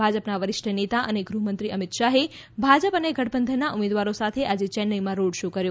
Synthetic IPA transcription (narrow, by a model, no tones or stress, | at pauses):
bʱad͡ʒəpnaʋəɾɪʃʈʰənet̪aʔəneɡɾuɦmənt̪ɾiəmit̪ʃaɦe | bʱad͡ʒəpəneɡəʈbənd̪ʱənaʔumed̪ʋaɾosat̪ʰeʔad͡ʒet͡ʃɛnːəlimãɾoɽʃokəɾjo